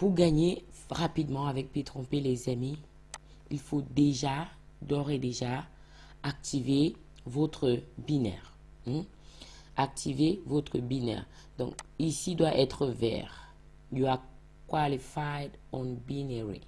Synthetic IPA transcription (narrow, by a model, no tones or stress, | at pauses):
puʁɡaɲeʁapid̪mɑ̃avɛk̚pit̪χɔ̃pelezami | ilfod̪eʒa | d̪ɔʁed̪eʒa | ak̚t̪ive | vot̪χəbinɛ̰ːʁ̩ | ak̚t̪ivevot̪χəbinɛ̰ʁ | d̪ɔ̰̃kisid̪waʔɛt̪χəvɛ̰ʁ | lya | kwalifajd̪ɔ̃nbinɛʁḭ